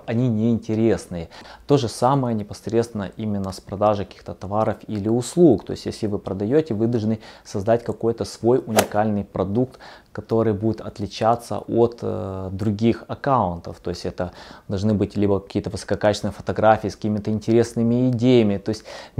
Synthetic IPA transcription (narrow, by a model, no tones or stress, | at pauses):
ɐnʲinʲɪɪnʲtʲɪɾʲe̞snɨjət̪o̞ʐɨsaməjənʲɪpɐsɾʲet̪st̪vɪnːəʔimʲɪnːəspɾɐd̪aʐɨkɐkʲi̥xt̪ət̪ɐvaɾəfilʲɪʊslˠukt̪o̞̰ɪsʲtjesʲlʲɪvɨpɾəd̪ɐjotʲɪvɨd̪ɐlˠʐnɨsɐzd̪at̚ʲkɐko̞jt̪əsvo̞jʊnʲɪkalʲnɨjpɾɐd̪ukt̪kɐt̪o̞ɾɨjbudʲɪt̪ɐ̰t̪lʲɪt͡ɕat̪sːə̰ʔot̪d̪ɾʊɡʲixɐkaʊnt̪ə̰ft̪o̞̰ɪsʲtʲɛt̪əd̪ɐlˠʐnɨbɨtʲlʲibəkɐ̥kʲijət̪əvɨsə̥kɐkat͡ɕɪsnəjəfə̥t̪ɐɡɾafʲiːskə̥kʲimʲɪt̪əɪnʲtʲɪɾʲe̞snɨmʲɪːdʲejəmʲɪt̪o̞ɪsʲtʲ